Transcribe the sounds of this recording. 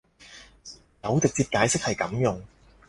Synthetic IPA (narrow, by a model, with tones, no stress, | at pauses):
t̪ɐ˨˥wt͡sɪ˨k̚t͡siː˧p̚kaː˨˧˥jsɪ˥k̚hɐ˨jkɐ̰˨˥mjʊ˨ŋ